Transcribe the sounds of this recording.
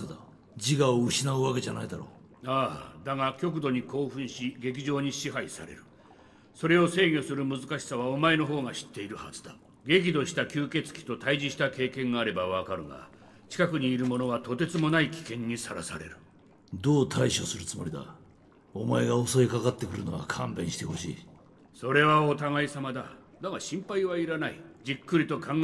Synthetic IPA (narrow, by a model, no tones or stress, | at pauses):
d̪a | d͡ʑiɡaoɯ̟ɕinaɯakeʑanaid̪aɾo̰ː | aːd̪aŋakʲo̞k̬ɯ̟d̪o̞ɲ̟iko̞ːɸɯ̟̃ɰ̃ɕiɡe̞k̬ʲiʑo̞ːɲ̟iɕiɦaisa̰ɾe̞̰ɾɯ̟ | so̞ɾe̞o̞se̞ːɡʲo̞sɨɾɯ̟mɯ̟zɨkaɕi̥saβ̞ao̞mae̞no̞ɦo̞ːŋaɕi̥t̪ːe̞iɾɯ̟hazɨd̪a | ɡe̞k̬ʲid̪o̞ɕi̥t̪akʲɨːke̞t͡sɨ̥kʲi̥t̪o̞t̪aiʑiɕi̥t̪ake̞ːkẽ̞ŋɡaːɾe̞baβakaɾɯ̟ɡa̰ | t͡ɕi̥kakɯ̟ɲ̟iːɾɯ̟mo̞no̞βat̪o̞t̪e̞t͡sɨmo̞naikʲi̥kẽ̞ɲ̟ːisaɾa̰sa̰ɾe̞̰ɾɯ̟ | d̪oːt̪ʰaiɕo̞sɨɾɯ̟t͡sɨmo̞ɾʲid̪a̰ | omae̞ɡao̞so̞ekakat̪ːe̞kɯ̟ɾɯ̟no̰a̰kʰãmbẽ̞ɕi̥t̪eho̞ɕḭː | so̞ɾe̞βao̞t̪aŋaisamad̪a | d̪amaɕĩmpaiβ̞aiɾanaid͡ʑikːɯɾʲit̪o̞kʰãŋ